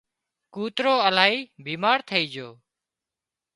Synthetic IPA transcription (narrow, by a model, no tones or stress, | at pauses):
kuːt̪ɾoːəlaːɦiːbiːmaːɾt̪ʰəiːd͡ʒoː